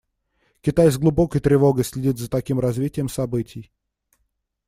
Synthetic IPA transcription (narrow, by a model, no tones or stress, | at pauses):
kʲɪt̪ajzɡlˠʊbo̞kəjt̪ɾʲɪvo̞ɡəjsʲlʲɪdʲit̪zət̪ɐkʲimɾɐzvʲitʲɪjəmsɐbɨtʲɪj